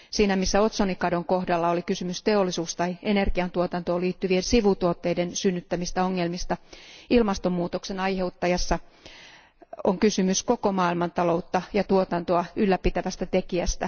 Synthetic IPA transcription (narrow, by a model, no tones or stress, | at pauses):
siːnæmisːæot̪sonikɑdoŋko̞hdɑlːɑolikysymyst̪eolːisuːst̪ɑiene̞rɡ̥iɑnt̪uot̪ɑnt̪oːliːt̪ːyʋiensiʋut̪uot̪ːeidensynːyt̪ːæmist̪æoŋːelmist̪ɑilmɑst̪ommuːt̪oksenɑjhe̞ut̪ːɑjɑsːɑ | oŋkysymyskokomɑːilmɑnt̪ɑlo̞ut̪ːɑjɑt̪uot̪ɑnt̪oɑylːæpit̪æʋæst̪æt̪ekiæst̪æ